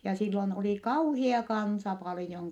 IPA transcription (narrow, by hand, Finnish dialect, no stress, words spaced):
jɑ silːon oli kɑuhiɑ kɑnsɑ pɑlĭjoŋ